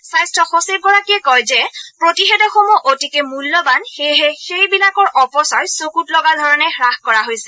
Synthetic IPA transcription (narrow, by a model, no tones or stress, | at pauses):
sajstʰɔxosip̚ɡɔɹakiɛkɔjzɛpɹotixɛdɔxomuʔotikɛmulːɔbanxeɦɛxejbilakɔɹʔɔpɔsɔɹsokutlɔɡadʱɔɹɔnɛxɹaxkɔɹaɦojsɛ